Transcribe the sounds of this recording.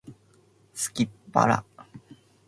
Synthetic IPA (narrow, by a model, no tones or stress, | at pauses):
skippa̰ɾa̰